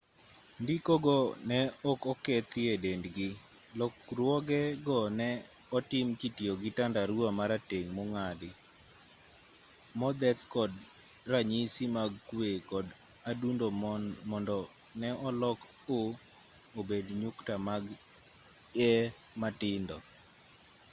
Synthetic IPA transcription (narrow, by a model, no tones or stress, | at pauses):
ndikoɡɔnɛɔkɔket̪ɪedendɡɪ | lɔkɾwɔɡɛɡɔnɛ | ɔtɪmkitjoɡɪtandaɾwamaɾateŋmoŋadɪ | mɔd̪ɛt̪kɔd | raɲisimaɡkwekɔd | adundomɔndɔ | nɛʔɔlɔkoobedɲʊktamaɡ | ɛmatɪndɔ